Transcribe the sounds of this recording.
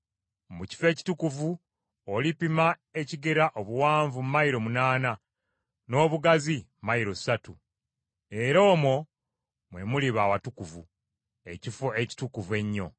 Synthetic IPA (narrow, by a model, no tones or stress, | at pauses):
muci̥fe̞ːci̥tukuvu | olipima | e̞ciɡeɾaʔoβuwaːɱvummaiɾo̞munaːna | no̞ːβuɡazimaiɾo̞satu | e̞ɾo̞ːmo̞ | mwe̞muliβaːwatukuvu | ecifoe̞ci̥tukuve̞ɲːo̞̰